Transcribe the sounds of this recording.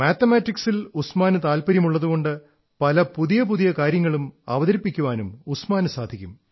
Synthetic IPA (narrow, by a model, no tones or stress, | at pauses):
maːt̪ːɐmaːtːiksilusmaːnɨt̪aːlpɐɾjɐmuɭːɐðuɣo̞ɳɖɨ | pɐlɐpuðijɐp̬uðijɐkaːɾjɐŋːɐɭumɐ̰ʋɐðɐɾipːikʲːuʋaːnumusmaːnɨsaːd̪ʱikʲːum